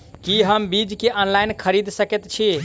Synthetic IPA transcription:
kiɦəmbid͡ʒkeʔɔnlajnkʰəɾid̪ʱsəket̪t͡ʃʰi

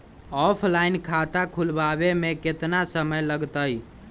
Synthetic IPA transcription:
ɔpʰlainkʰat̪akʰulbabemeket̪nasəməjləɡt̪əj

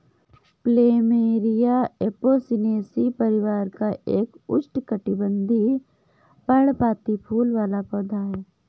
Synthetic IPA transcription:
pleːmeːɾijaeːpoːsɪneːsipəɾɪʋaːɾkaʔeːkʊ̰t͡ʃʈkəʈibə̃nd̪ʱi | pəɽpaːt̪ipʰuːlʋaːlapɔːd̪ʱaː

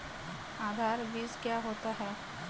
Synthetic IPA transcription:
aːd̪ʱaːɾʋiːskjaːɦoːt̪aɦɛː

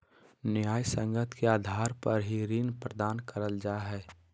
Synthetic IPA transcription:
nɪjaːjsə̃ŋɡət̪ʰkeaːd̪ʱaːɾpəɾɦiɾiːnpɾəd̪aːnkəɾəld͡ʒaːɦɛː

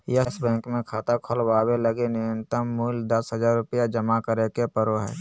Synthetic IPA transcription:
jəsbɛ̃ːŋkmẽkʰaːt̪akʰolbaːweləɡenɪjə̃nt̪əmːuːld̪əsɦəd͡ʒaːɾːʊpjad͡ʒəmakəɾekepəɾoɦɛ̰ː

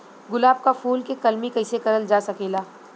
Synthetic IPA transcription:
ɡʊlaːb̚kafuːlkekɐlmikɐɪsekɐɾəld͡ʒaːsɐkeːlaː

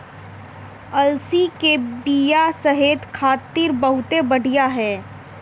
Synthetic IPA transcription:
ɐlsikebijasɐɦeːt̪kʰaːt̪ːiːɾbɐɦʊt̪ebɐɽ̤ʱijaɦɛː

